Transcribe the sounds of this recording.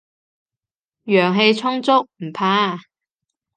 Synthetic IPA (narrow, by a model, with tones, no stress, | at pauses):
jœː˨˩ŋɦe˧jt͡sʰʊ˥ŋt͡sʊ˥k̚m̩˨˩pʰaː˧˥